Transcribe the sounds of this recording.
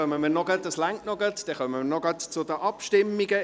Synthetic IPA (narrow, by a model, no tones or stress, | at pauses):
œməmiːrnɔɡət̚dɑslæŋktnɔɡət̪d̥ɛχœməmnɔɡɑt̪t͡sʊdəʔɑpʃtɪmːiɡə